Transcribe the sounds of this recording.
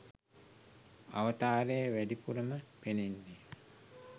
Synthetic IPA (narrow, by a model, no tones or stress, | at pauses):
a̰ʋɐt̪aːɾejəʋædipuɾɐməpenenːe